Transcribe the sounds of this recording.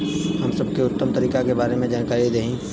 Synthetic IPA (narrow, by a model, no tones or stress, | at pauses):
ɦɐmsɐb̚keʊt̪ːəmt̪əɾiːkakebaːɾemẽd͡ʒaːnkaːɾid̪eɦĩ